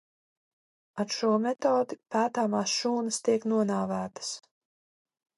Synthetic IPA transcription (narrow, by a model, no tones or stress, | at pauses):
aɾʃuɔmɛt̪ɔːd̪ipæːt̪aːmaːsʃuːnɨst̪iɛknuɔnaːvæːt̪ə̥s